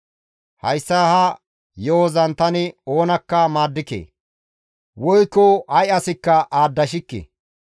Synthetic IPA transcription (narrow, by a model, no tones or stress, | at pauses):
hɐ̰jsːaːhɐ | jɔɔzɐnt̪ɐnɪo̞ːnɐkːɐmaːd̪ːɪkḛː | wɔjkːɔɐjɐsɪkːɐʔaːd̪ːɐʃ̬ɪkːḛː